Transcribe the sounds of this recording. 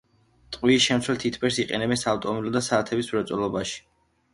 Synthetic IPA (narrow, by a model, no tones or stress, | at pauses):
t̪ʼqʼwiːʃɛmt̪sʰwɛlt̪ʰit̪ʰpʰɛɾsiqʼɛ̰nɛbɛnsaːvt̪ʼɔmilɔd̪asat̪ʰɛbismɾɔt̪sʼɔlɔbaʃi̥